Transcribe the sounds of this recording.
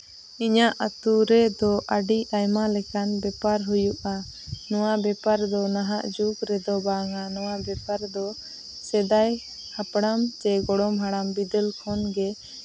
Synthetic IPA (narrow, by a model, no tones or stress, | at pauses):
iɲaʔat̪uɾɛd̪ɔʔaɖiajmalɛkanbɛpaɾɦujuʔa | nɔwabɛpaɾd̪ɔnaɦaʔd͡ʒuɡɾɛd̪ɔbaŋanɔwabɛpaɾd̪ɔ | sɛd̪aj | hapɽamt͡ʃɛɡɔɽɔmɦaɽambid̪ɛlkʰɔnɡɛ